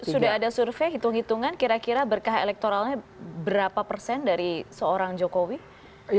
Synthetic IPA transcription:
sudaɦadasurfeɦit̪uŋɦit̪uŋankiɾakiɾabərkaɦḛlɛk̚t̪oɾalɲabəɾapapərsɛndaɾisəoɾaŋd͡ʒokowi

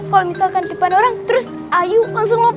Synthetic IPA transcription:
t̪̚kalomisalkandəpanoɾaŋt̪əɾʊs | ʔajuaŋsʊŋlap

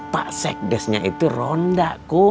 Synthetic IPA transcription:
pa̰ʔsɛk̚dɛsɲa̰it̪urondaʔko

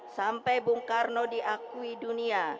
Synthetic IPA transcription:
sampɛjbuŋkarnodiʔakuidunia

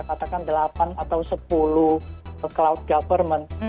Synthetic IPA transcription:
kat̪akandəlapanat̪awsəpuluəklawd̪̚ɡafərmən

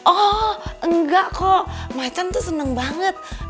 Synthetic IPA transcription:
ʔɔʔəŋɡaʔkʰɔʔmajt̪ant̪usənəŋbaŋət̪̚

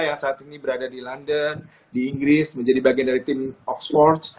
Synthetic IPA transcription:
jaŋsaːt̪inibəɾadadilandən | diːŋɡɾɪsməɲd͡ʒadibaɡiandaɾit̪ɪmɔksfɔrt̪

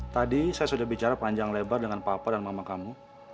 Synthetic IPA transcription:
t̪adisajasudahbit͡ʃaɾapaɲd͡ʒaŋlebardəŋanpapadanmamakamu

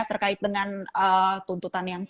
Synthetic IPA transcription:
t̪ərkaɪt̪̚dəŋanət̪unt̪ut̪anjaŋ

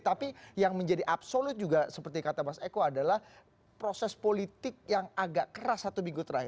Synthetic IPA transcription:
t̪apijaŋməɲd͡ʒadiʔapsolʊt̪̚d͡ʒuɡasəpərt̪ikat̪amasekoadalah | pɾosɛspolit̪ɪk̚jaŋaɡaʔkəɾasat̪obiɡʊt̪ɾai

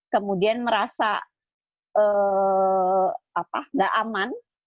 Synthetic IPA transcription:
kəmudianməɾasa̰ | ə | apaŋɡaʔaman

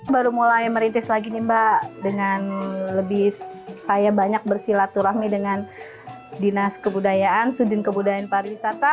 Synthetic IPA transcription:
baɾumulajməɾint̪ɪslaɡinimbadəŋanləbɪhsajabaɲak̚bərsilat̪uɾahmidəŋan | dinaskəbudajaansudɪnkəbudajaanpaɾiwisat̪a

